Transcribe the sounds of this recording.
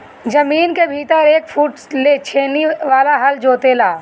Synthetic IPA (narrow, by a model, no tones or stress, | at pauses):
d͡ʒɐmiːnkebʱiːt̪əɾeːkfʰuːʈlet͡ʃʰeːneʋaːlaɦɐld͡ʒoːt̪elaː